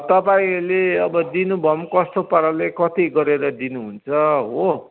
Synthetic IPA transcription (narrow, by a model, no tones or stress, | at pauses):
t̪ʌpaĩleʌbʌd̪inubʱʌmkʌst̪opʌɾalekʌt̪iɡʌɾeɾʌd̪inuɦunt͡sʰʌɦo